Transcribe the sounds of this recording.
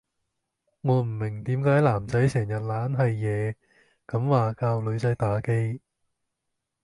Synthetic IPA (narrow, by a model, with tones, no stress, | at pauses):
ŋɔː˨˧m̩˨˩mɪ˨˩ŋt̪iː˨˥mkaː˨˥jlaː˨˩mt͡sɐ˨˥jsɛː˨˩ŋjɐ˨t̚laː˨˥nɦɐ˨jːɛː˨˧ | kɐ˨˧˥mwaː˨kaː˧wlɵ˨˧ɥt͡sɐ˨˥jt̪aː˨˥ke˧j